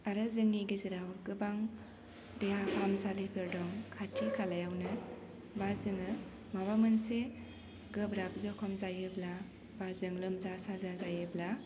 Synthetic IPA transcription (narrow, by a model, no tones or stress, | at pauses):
aɾɯzɯŋːiɡiziɾawɡɯbaŋ | dejapʰamzalipʰeɾdɔŋkʰatʰikʰalajawnɯ | bazɯŋɯ | maβamɯnse | ɡɯbɾab̚zɔkʰɔmzajɯbla | bazɯŋlɯmzasazazajɯbla